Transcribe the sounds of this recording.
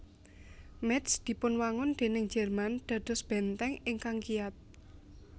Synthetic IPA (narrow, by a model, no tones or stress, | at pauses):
mɛt̪sd̪̥i̤pʊnwaŋʊnd̪̥e̤nɪŋ̥d͡ʒ̥ɛrmand̪̥ä̤d̪̥ɔ̤sb̥ɛnt̪ɛŋɪŋkaŋkiat̪̚